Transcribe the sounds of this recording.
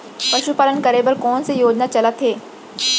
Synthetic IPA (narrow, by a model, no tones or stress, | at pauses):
pɐʃupaːlənkɐɾeːbəɾkɔːnsejoːd͡ʒnat͡ʃɐlət̪ɦeː